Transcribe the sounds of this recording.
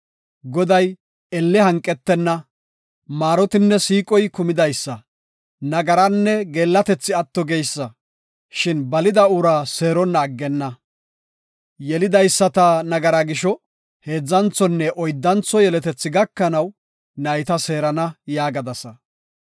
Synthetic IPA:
ɡɔd̪ɐj | ɛlːɛhɐŋkʼːɛt̪ːɛnːɐ | maːɾɔt̪ɪnːɛsiːkʼɔjkʊmɪd̪ɐjsːɐ | nɐɡɐɾɐnːɛɡe̞ːlːɐt̪ɛt͡sːɪɐt̪ːɔɡejsːɐ | ʃɪnbɐlɪd̪ɐʊɾaːse̞ːɾɔnːɐːɡːɛnːɐ | jɛlɪd̪ɐjsːɐt̪ɐnɐɡɐɾɐɡɪʃɔ | he̞ːd͡zːɐnt͡sːɔnːɛʔɔjd̪ːɐnt͡sɔjɛlɛt̪ɛt͡sːɪɡɐkːɐnɐw | nɐjt̪ɐse̞ːɾɐnɐjaːɡɐd̪ɐsɐ

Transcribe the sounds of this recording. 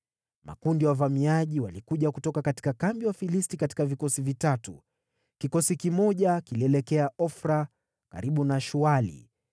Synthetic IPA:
ma̰kundiwavamiaʄiwalikuʄakutɔkakati̥kakambiwafilistikati̥kavikɔsivitatṵ | kikɔsikimɔʄakiliɛlɛkɛaɔfɾa | ka̰ɾiɓunaʃualḭ

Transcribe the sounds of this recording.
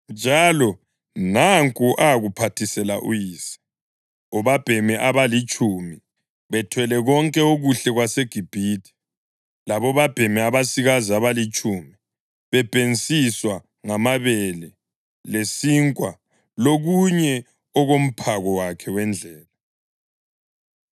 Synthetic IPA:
nd͡ʒʱalɔ | naŋkʼuʔaɣupʰatʰisɛla̰ʔṵjiːsɛ̥ | ɔβab̥ʱɛmɛʔaβalit͡ʃʼumi | βɛtʰwɛlɛɣɔŋkʼɛoɣuɬɛɣwaseɡ̥ʱib̥ʱitʰi̥ | laβɔβab̥ʱɛmɛaβasiɣaziaβalit͡ʃʼumi | βɛb̥ʱent͡sʼiswa | ŋamaβɛlɛ | lesiːŋkʼwa | loɣuɲɛ | ɔɣom̩pʰaɣɔwakʰɛwɛnd͡ɮʱɛːla

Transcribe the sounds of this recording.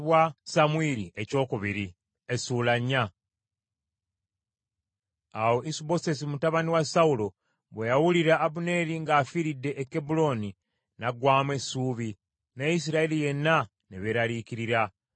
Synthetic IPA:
βwasamuiɾiʔe̞co̞ːkuβiɾi | esulaɲːa | awo̞ʔisubo̞se̞s̬imutaβaniwasaulo̞ | βwejawuliɾaʔːβune̞ɾiŋɡaːfiɾidːe̞ʔːkːebulo̞ni | naɡwaːmwe̞suːβi | neis̬iɾaelije̞nːa | neβeɾaliciɾiɾa

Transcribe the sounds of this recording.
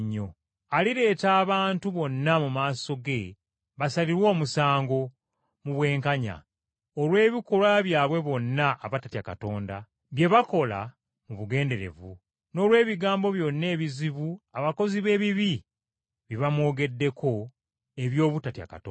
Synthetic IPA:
ɲːo̞ | aliɾe̞ːtaːβaːntuβo̞nːamumaːso̞ɡe̞ | βasaliɾwo̞ːmusaːŋɡo̞ | muβwe̞ːŋkaɲa̰ | olwe̞ːβikolwaβjaːβwe̞βo̞nːaʔːβatatiaka̰to̞ːnda | βje̞βako̞la̰ | muβuɡe̞ːnde̞ɾe̞̰vṵ | no̞ːlwe̞ːβiɡaːmbo̞βjo̞nːe̞ːβiziβuaβako̞ziβe̞ːβiβi | βiβamwo̞ːɡe̞dːe̞ko̞ | eβjo̞ːβutatia̰ka̰tː

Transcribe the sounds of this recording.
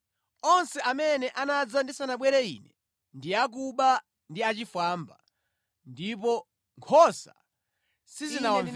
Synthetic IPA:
ɔnsɛamɛnɛʔanad͡zandisanaɓwɛɾɛḭnɛ | ndiak̬uɓa | ndiat͡ʃifwamba̰ | ndip̬ɔ | ŋkʰɔsa̰ | sizina

